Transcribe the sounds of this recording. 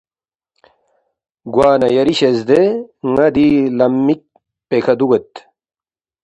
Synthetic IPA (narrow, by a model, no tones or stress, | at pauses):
ɡwaːnɐjɐɾiɕezd̪eŋɐd̪ilɐmːik̚ | pekʰɐd̪uɡet̪